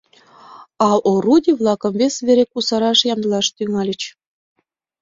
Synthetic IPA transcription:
ɑʔorudʲiβlˠɑkə̆mvesβeɾekusɑɾɑʃjɑmd̪əlɑʃt̪yŋɑlʲə̆t͡ɕ

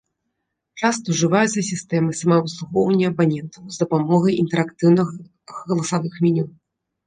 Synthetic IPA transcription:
t͡ʂast̪ɐwʐɨvajut̪sɐsʲist̪ɛmɨsamavɨslˠuɣɔwnʲɛɐbanʲɛnt̪ʰɐwzd̪ɐpamɔɣɐjint̪ɛɾakt̪ɨwnɨx | ɣɐlˠɐsavɨxmʲinʲim

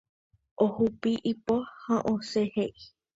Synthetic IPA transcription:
ʔohupiʔipohãʔõseheʔi

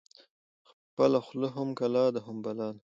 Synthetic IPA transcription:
x | pəlaxləɦʊmkalɑːd̪aɦʊmbalɑːn

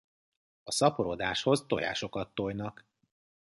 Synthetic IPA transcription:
ɒsɒpoɾod̪aːʃho̞zt̪o̞̰ja̰ːʃo̞kɒt̪ːojnɒk

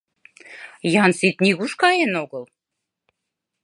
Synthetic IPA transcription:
jɑnsit̪nʲiɣuʃkɑjenoɣə̆l

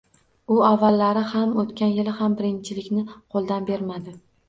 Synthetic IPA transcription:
ʊavːalːaɾɪhamot̪kʲanjɪlɪhambɪɾɪnt͡ʃʰɪlɪkʲnɪqʰolˠd̪anbe̞ɾmad̪ɪ

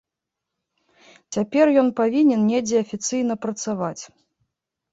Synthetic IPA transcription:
t͡sʲapʲɛrjɔnpavʲinʲɛnnʲɛd͡zʲɛɐfʲit̪sɨjnɐpɾɐt̪savat͡sʲ

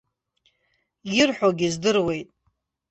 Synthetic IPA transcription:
jɪrħʷᶣoɡʲizdɨrwe̞jtʼ

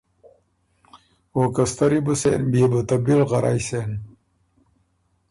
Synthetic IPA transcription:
okɐst̪ɐɾibusḛnbiːbut̪ɐbilʁɐɾa̰jsen

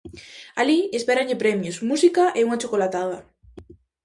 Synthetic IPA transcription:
aliespeɾaɲʎepɾemjosmusikaʔeuŋat͡ʃokolat̪aða

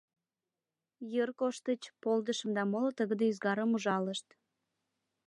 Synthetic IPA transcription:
jərkoʃt̪ət͡ɕpold̪əʃəmd̪ɑmolot̪əɣə̆d̪eyzɡɑɾəmuʒɑləʃt̪

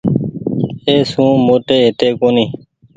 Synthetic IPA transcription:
eːsũːmoːʈeːɦɪt̪eːkoːniː

